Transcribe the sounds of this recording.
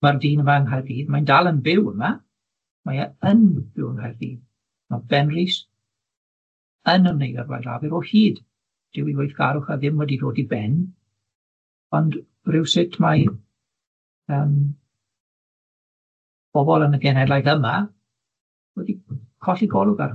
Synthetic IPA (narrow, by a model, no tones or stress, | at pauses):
marðiːnəmaəŋɦajrdiːðmandalˠənbɪwəma | majaənbɪwəŋhajrdḭː | nɔbɛnriːs | ənəmnejðɛrwa̰jla̰vɪɾɔhiːd | d̥ɪwiwejθɡ̥aɾʊχaðɪmwɛdidoːdibɛn | ɔnd | rɪwsɪtʰmaj | əːm | b̥ɔbɔlˠənəɡɛnɛlˠajðəma | wɛdikʰɔɬiɡɔlˠʊɡa̰r